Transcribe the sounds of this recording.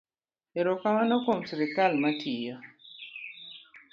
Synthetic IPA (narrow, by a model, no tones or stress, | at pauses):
eɾɔkamanɔkomsiɾikalmatʰija